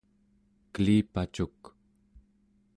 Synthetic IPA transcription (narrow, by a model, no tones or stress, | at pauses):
kəliːpat͡ʃuk